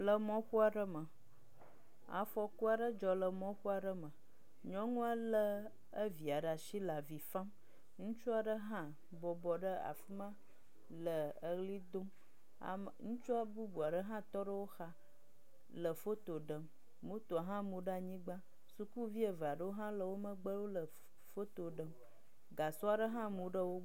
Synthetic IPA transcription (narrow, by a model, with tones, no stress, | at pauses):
lə˨mɔ̃˦ɸu˦a˨ɖə˦mə̃˨ | a̰˨fɔ˦ku˦a˨ɖə˦d͡ʒɔ˨lə˨mɔ̃˦ɸu˦a˨ɖə˦mə̃˨ | ɲɔ̃˦ŋũ˦a˦lə˦ | ə˦vi˨a˨ɖa˨ʃi˦la˨vi˨fã˦m | ŋũ˦t͡ʃu˦a˨ɖə˦ɦã˦ | bɔ˨bɔ˨ɖə˦a̰˨fu˦mã˦ | lə˨ə˨ɣli˦d̪o̰˦˨ | ŋũ˦t͡ʃu˦a˦bu˦bu˨a˨ɖə˦ɦã˦t̪ɔ˦ɖə˦wo˦xa˦ | lə˨fo˦t̪o˨ɖə˨mː | ũ˦t̪o˨a˨ɦã˦mũ˨ɖa˨ɲĩ˦ɡ͡bã˦ | su˦ku˦vi˦e˨va˨ɖə˦wo˦ɦã˦lə˦˨wo˦mə̃˦ɡ͡bə˦wo˦lə˨ | fo˦t̪o˨ɖə˨m | ɡa˨so˦a˨ɖə˦ɦã˦mũ˨ɖə˦wo˦